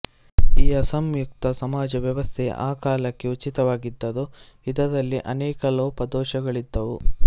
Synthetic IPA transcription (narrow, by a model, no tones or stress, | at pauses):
iːɐsɐmjukt̪ɐsɐmaːd͡ʒɐʋjɐʋɐst̪ʰḛʔaːkaːlɐkːe̞ut͡ʃit̪ɐʋaːɡid̪ːɐd̪u | id̪ɐd̪ɐlːiʔɐnɛːkɐloːpɐd̪ɔːʃɐɡɐɭid̪ːɐʋu